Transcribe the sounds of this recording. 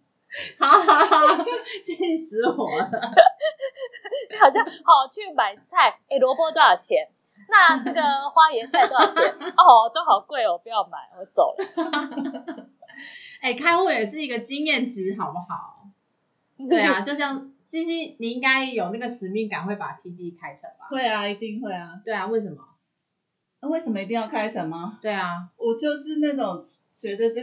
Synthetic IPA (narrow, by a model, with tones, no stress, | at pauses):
hɑ˨˦ʊxt͡ɕi˥˩˥i˥˩sɹ̩˧˦wɔ˨˩˦ | ni˥˩xɑ˨˩ʊɕ̬jɑ˥˩xɑ˨˩ʊt͡ɕʰy˥˩ma˨˩ɪt͡sʰa˥˩ɪe˥˩ɪlwɔ˧˥pwɔ˥t̪wa˥˩jɑ˨˩t͡ɕʰjɛ˨˦n | na˥˩nɤ˥˩ɡə˨˩xwa˥ɥɛ˧˦t͡sa˥˧ɪ˩t̪wt͡ɕʰjɛ˧˦nɔ˥˩˨t̪o˥ʊxɑ˨˩ʊkwe˥˩ɪwɔ˨˩pu˨˧jɑ˥˩ʊma̰˨˩˦ɪwɔ˧˦t͡so̰˨˩ʊl | e˥˩ɪkʰa˥ɪxwɔ˥˩jɛ˨˩ʂ̬ɻ̩˥˩i˧˥ɡə˨t͡ɕi˦ŋjɛ˥˩nʈ͡ʂɻ̩˧˥˦xɑ˨˩ʊpu˥˩xɑ˨˩˦ʊ | we˥˩ɪa˩t͡ɕjo˥˧ʊɕjɑ˥˩ŋɕi˥ɕi˥ni˨˩i˥ŋɡa˥ɪjo˨˩ʊna˥˩ɡə˩ʂɻ̩˨˦mi˥˩ŋka˨˩nxwe˥˩ɪpa˨˩t̪ʰi˧˥t̪̬i˥˧kʰa˥ɪt͡sʰə˧˥˦ŋba̰˨˦xwe˥˩ɪa˩i˧˥t̪i˥˧ŋxwe˥˩ɪa˩t̪we˥˩ɪa˨˩we˥˩ɪʂə˨˦mɐ˨˥ | we˥˩ɪʂə˧˦mə˧i˧t̪i˥ŋjɑ˥˩ʊkʰa˥ɪt͡sʰə˧˥ŋma˨˦t̪we˥˩ɪa˩wɔ˨˩t͡ɕjʊʂɻ̩˥˧na˥˩ʈ͡ʂo˨˩ŋt͡ɕɥɛ˧˦˥d̪ə˧ʈ͡ʂ